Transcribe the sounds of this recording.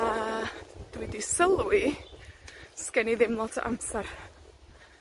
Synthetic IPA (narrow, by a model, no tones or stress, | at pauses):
a | d̥widisəlˠi | skɛniðɪmlˠɔtʰə̰ʔa̰msar